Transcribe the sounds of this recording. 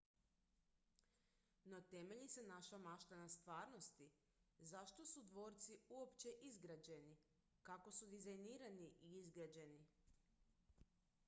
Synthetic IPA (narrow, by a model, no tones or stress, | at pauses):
not̪e̞meʎisenaʃamaʃt̪anast̪ʋaːɾno̞st̪i | zaʃt̪o̞sud̪ʋo̞ːɾt̪siuopt͡ɕe̞ʔizɡɾad͡ʑe̞ni | kako̞sud̪izajniːɾaniʔiizɡɾad͡ʑe̞ni